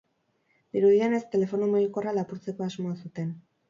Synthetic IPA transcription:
d̪iɾuðiene̞st̪e̞le̞fo̞numoɣiko̞ralapuɾt͡se̞ko̞azmo̞asut̪e̞n

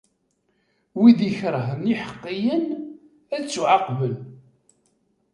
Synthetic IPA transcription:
wiðiçɾˤəɦəniħə̥qːijən | æðt͡sːuʕaqbəl

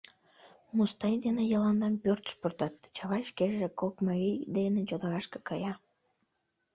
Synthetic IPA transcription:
must̪ɑjd̪enejɑlɑnd̪ɑmpørt̪ə̥ʃport̪ɑt̪̚t͡ɕɑβɑjʃkeʒekokmɑijd̪enet͡ɕod̪ɑɾɑʃke̥kɑjɑ

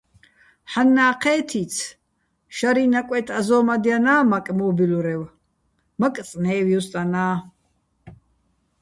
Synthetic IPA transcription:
ħanːaːqʰɛːt̪ʰit͡sʰ | ʃaɾinakʷʼɛt̪ʰazɔːmad̪ianaːmakʼmɔːbiluɾɛw | mak̪ʼt͡sʼnɛːwjɔst̪ʼanaː

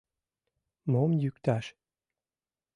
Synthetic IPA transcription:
momjykt̪aʃ

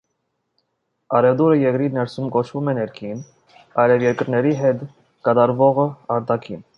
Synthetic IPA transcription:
ɑɾɛvd̪uɾəjɛkɾinɛɾsumkɔt͡ʃʰvumɛnɛɾkʰin | ɑjlɛvjɛɾkəɾnɛɾiɦɛt̪ | kɑt̪ɑɾvɔʁəɑɾt̪ɑkʰin

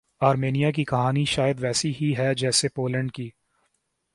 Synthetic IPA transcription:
aːɾmeːnijak̬ikɐɦaːniʃaːjəd̪ʋɛːsiɦiɦɛd͡ʒɛːsepoːlə̃ɳɖ̚kiː

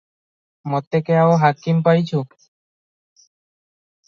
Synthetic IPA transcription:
mɔt̪ːekeaoɦakimpajt͡ɕʰu

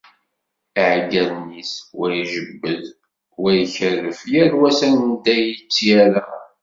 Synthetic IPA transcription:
iʕɡæðniswæjʒəbːəð | wæjəçərːəfjæɾwæsænd̪æjət͡sːjæɾæ

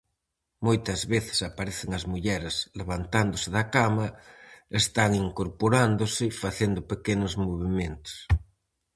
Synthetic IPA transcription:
mojt̪ɐzβeθɪ̥sapaɾeθɪŋɐzmuʎɛɾesleβ̞ant̪and̪osɪðɐkamɐest̪aŋiŋkoɾpoɾand̪osɪfaθend̪ʊpekenozmoβimẽnt̪o̥s

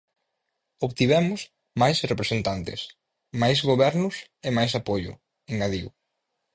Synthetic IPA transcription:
oβt̪iβɛmʊs | majsrepɾesent̪ant̪ɪ̰s | majzɣoβɛɾnʊs | emajsapoʎʊ̰ | eŋɡaðiw

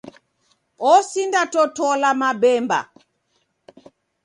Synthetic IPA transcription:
ɔsindatɔtɔlamabɛmba̰

